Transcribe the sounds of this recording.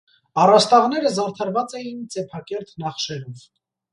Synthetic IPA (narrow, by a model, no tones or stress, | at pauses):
ɑrɑst̪ɑʁnɛɾəzɑɾt̪ʰɑɾvɑt͡sɛjint͡sɛpʰɑkɛɾt̪nɑχʃɛɾɔv